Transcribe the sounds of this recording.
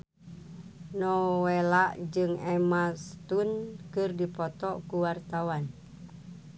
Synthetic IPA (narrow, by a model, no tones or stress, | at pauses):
nɔwelaʔd͡ʒɨŋɛmast̪unkɨrdipɔt̪ɔkuwart̪awan